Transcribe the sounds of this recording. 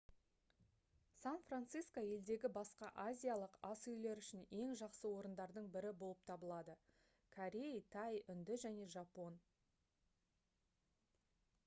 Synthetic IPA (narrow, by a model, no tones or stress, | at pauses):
sanfrant̪sijskoje̞ld̪e̞ɡʲɪbɑsqɑʔazʲijalˠəqɑsʏjle̞ɾʏʃɪne̞ŋʒɑqsəwo̞ɾənd̪ɑɾd̪əɴbɪɾɪbo̞lˠəp̚t̪ʰɑbəlˠɑd̪ə | kʰoɾʲejt̪ʰɑjʏnd̪ɪʒæne̞ʒɑpo̞n